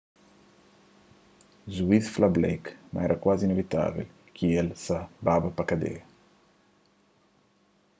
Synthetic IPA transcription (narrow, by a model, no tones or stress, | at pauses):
zuiθflablejkma̰ɛɾʔɐkwazinevit̪a̰vḛl | kʰielsababɐpakad̪ḛ